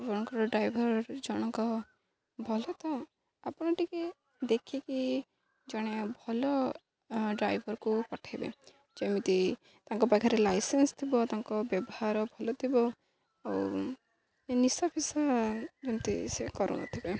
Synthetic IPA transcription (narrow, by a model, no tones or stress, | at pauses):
d͡ʒɔɽ̃ɔŋkɔɾɔɖɾajbʱɔɾɾd͡ʒɔɽ̃ɔŋkɔ | bʱɔlɔt̪ɔ | apɔɽ̃ɔʈike | d̪ekʰeki | d͡ʒɔɽ̃ebʱɔlɔ | ɖɾajbʱɔɾkupɔʈʰabḛ | d͡ʒemit̪i | t̪aŋkɔpakʰaɾelajsenst̪ʰibɔt̪aŋkɔbjɔbɔhaɾɔbʱɔlɔt̪ʰibɔ | aw | nisapʰisad͡ʒemit̪ḭsekɔɾṵñɔ̰t̪ʰibe